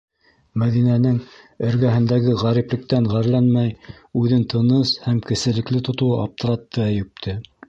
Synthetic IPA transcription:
mæðinænɘŋ | ɵ̆ɾɡæɦɘ̆nd̪æɡɘʁæɾiplɘ̆k̚t̪æŋʁæɾlænmæj | ʉðɘnt̪ɤ̆nɤshæmkɘ̆sɘ̆lɘ̆klɘt̪ŏt̪uʔɑp̚t̪ɤ̆ɾɑt̪ːɤæjɘ̆p̚t̪ʰɘ

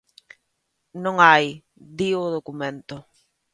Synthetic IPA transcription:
nõŋaj | d̪iʊðokumẽnt̪ʊ

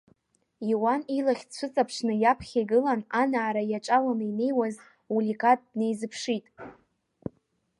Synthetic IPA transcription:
iwanilaχʲt͡ʃʷʰɨt͡sʼapʰʂnɨjapʰχʲaɡɨlananaːɾajaʈ͡ʂʼawamɨine̞jwaz | ulʲikʼat̚ʼdne̞jzɨpʰʂitʼ

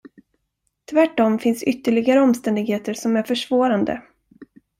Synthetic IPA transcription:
t̪ʰvæʈːɔmfɪnsʏt̪ːəɭɪɡaɾəɔmst̪ɛnd̪ɪɡheːt̪əɾʂɔmæɾfœʂvoːɾand̪ə̰

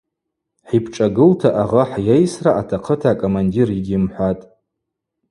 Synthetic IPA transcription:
ħipʰʈ͡ʂʼaɡɨltʰaʔaʁaħjejsraʔatʰaqʰətʰaːkʼomandiriɡʲɪmħʷatʼ

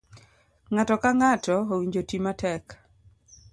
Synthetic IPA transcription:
ŋatɔkaŋatɔowiɲd͡ʒotimatɛk

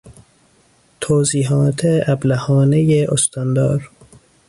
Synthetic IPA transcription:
t̪ʰoːziːɦɒːt̪ʰeæblæhɒːnejeʔost̪ʰɒnd̪ɒ̰ːɾ

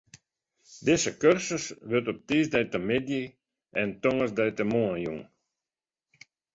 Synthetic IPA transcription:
dɪsəkørsəsʋøtɔp̚t̪iːzdɛjt̪əmɪdji | ɛnt̪ɔŋəzdɛjt̪əmoəjṵŋ

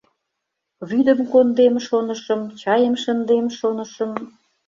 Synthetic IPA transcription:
βyd̪əmkond̪emʃonə̆ʃə̆mt͡ɕɑjəmʃənd̪emʃonə̆ʃəm

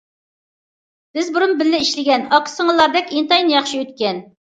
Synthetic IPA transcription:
b̥ɪzbʊɾunbɪlːɪiʃlɪɡʲɛnɑqʰə̥səŋɨzlˠːɑɾd̪ɛkʲint̪ɑjnjɑχʃiøt̪̚kʲɛn

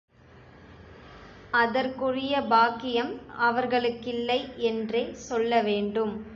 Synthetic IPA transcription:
ɐðɐɾkʊrɪjɐbaːkːɪjɐmɐʋɐɾɣɐɭɯkːɪlːɐɪʔɛndreːsɔlːɐʋeːɳɖɯm

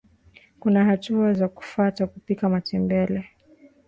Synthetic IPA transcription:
kunaɦatuazaku̥fatakupikamatɛmbɛlɛ

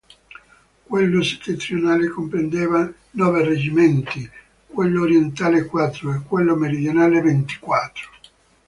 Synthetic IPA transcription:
kwelːose̥t̪ːet̪ːɾionaːlekompɾend̪ɛːva | nɔːvered͡ʒimɛnt̪i | kwelːoːɾjent̪aːlekːwat̪ːɾoekːwelːomeɾid̪jonaːlevent̪i̥kwat̪ːɾo̥

